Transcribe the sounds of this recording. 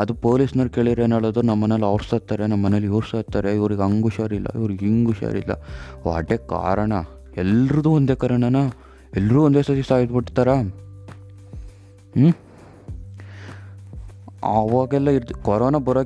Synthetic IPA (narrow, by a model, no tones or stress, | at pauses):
ɐd̪upoːlisnɐlkeːɭid̪ɾenɐɭod̪ɐɾunɐmːɐnelːɐʋɾst̪aːt̪ːaːɾenɐmːɐnelːjuːɾst̪at̪ːaːɾeiʋɾiɡɐŋɡuʂaːɾilːɐ̰iʋɾuɡiŋɡuʂa̰ɾḭlːɐ̰oɐ̰ʈːeːka̰ːɾɐɳɐ | ɛlːɾɐd̪uːond̪eːkɐɾɐɳɐnɐ | ɛlːɐɾuːond̪eːsɐt̪isaːɦisbiʈt̪aːɾa | ɐʋaːɡɛlːɐiɾd̪kɔɾoːnabɐɾoː